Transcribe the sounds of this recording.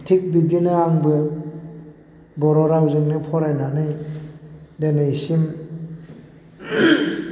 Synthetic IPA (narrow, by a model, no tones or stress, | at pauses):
tʰik̚bidinɯaŋbɯ | bɔɾɔɾawzɯŋnɯpʰɔɾajnanɯj | denɯjsim